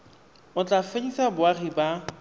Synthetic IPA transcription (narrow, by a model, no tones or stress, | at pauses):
ʊt͡ɬʼafedisabʊaɣiba